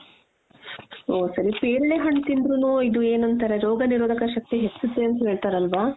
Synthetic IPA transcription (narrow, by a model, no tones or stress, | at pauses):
oːsɐɾipeːɾɭeɦɐɳt̪ind̪ɾunuid̪ueːnɐnt̪ɐɾeɾoːɡɐniɾoːd̪ʱɐkɐʃɐk̚t̪iɦet͡ʃːud̪ːeɐnt̪uɦe̞ːɭt̪aːɾɐlʋaː